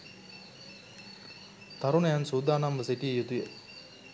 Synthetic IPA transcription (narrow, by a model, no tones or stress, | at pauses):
t̪aɾunɐjansuːd̪aːnamʋəseʈiejut̪uje